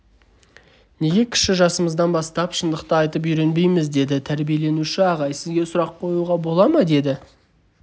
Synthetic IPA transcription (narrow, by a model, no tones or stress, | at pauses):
ne̞ɡʲe̞kʲʰɪ̥ʃɪʒɑsəməzd̪ɑnbɑst̪ɑpʃənd̪əqt̪əɑjt̪əp̬ʏɾe̞nbe̞jmɪzd̪e̞d̪ɪt̪ʰæɾbije̞le̞nuʃɪɑʁɑjsɪzɡʲe̞sʊɾɑqqʰo̞juʁɑbo̞lˠɑmɑd̪e̞d̪ɪ